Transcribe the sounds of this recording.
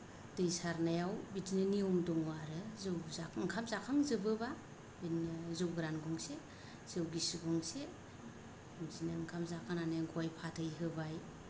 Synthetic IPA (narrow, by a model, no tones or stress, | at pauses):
d̥ɯjsaɾnajawbitinɯniɔmdɔŋwaɾɯzɯwzaŋkʰamzakʰaŋzɯbɯba | bizɯwɡɾanɡɔŋse | z̥ɯwɡisiɡɔŋse | mzinɯŋkʰamzakʰaŋnanaɡɔjpʰatʰɯjɦɯbaj